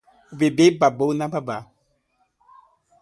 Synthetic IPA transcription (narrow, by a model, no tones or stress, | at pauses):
ubebebabonãbaba